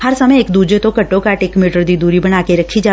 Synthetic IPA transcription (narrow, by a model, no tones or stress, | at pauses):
haɾsəməjekd̪ud͡ʒet̪okəʈːokaʈekmiʈəɾd̪id̪uɾibəɳakeɾəkʰid͡ʒa